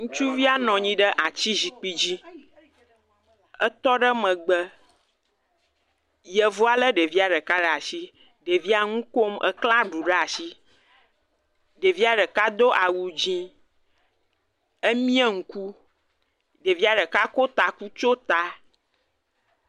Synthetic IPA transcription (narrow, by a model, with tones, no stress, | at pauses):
ŋũ˦t͡ʃu˦vi˦a˦nɔ̃˨ɲĩ˦ɖə˦ʔa˨t͡ɕi˦zi˨k͡pi˦d͡ʑi˦ | ə˦t̪ɔ˦ɖə˦mə̃˨ɡ͡bə˦ | jə˨vo˦a˨lə˦ɖe˨vi˦a˨ɖə˨ka˦ɖə˨a˨si˦ | ɖe˨vi˦a˦ŋũ˦ko˦mʔə̰˦klã˦ɖu˨ɖə˦a˨si˦ | ɖe˨vi˦a˦ɖə˨ka˦d̪o˦ʔa˨wu˨d͡ʑĩ˦ | ə˦mĩ˦ɛ˦ŋ̩˦ku˦ | ɖe˨vi˦a˨ɖə˨ka˦ko˦t̪a˨ku˦t͡ʃo˦t̪a˨